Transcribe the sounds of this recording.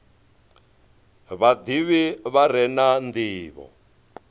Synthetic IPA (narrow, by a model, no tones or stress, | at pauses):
βad̪iβiβaɾɛnand̪iːβɔ̰